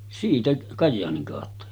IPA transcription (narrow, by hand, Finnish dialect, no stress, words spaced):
siːtæ kɑjːɑːniŋ kɑˑotːɑ